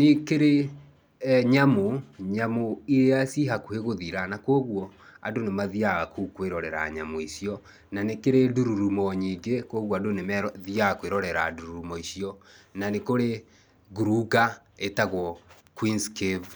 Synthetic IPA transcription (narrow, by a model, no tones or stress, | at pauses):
nekeɾe | ɲamoɲamoiɾeasiɦakoheɣoðiɾanakoːɣwɔ | a̰donemaðiaɣakʰukweɾɔɾɛɾa̰ɲamoisiɔ | nanekeɾeduɾuɾumɔɲiːɡekoːɣwɔadonemɛðiakweɾɔɾɛɾaduɾuumɔisjɔnanekoɾe | ɡuɾuɡa | etaɣwɔ | kwinskev